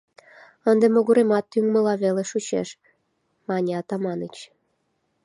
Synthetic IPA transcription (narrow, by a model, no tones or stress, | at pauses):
ənd̪emoɣuɾemɑt̪ːyŋmə̆lɑβeleʃut͡ɕḛʃ | mɑnʲeɑt̪ɑmɑnət͡ɕ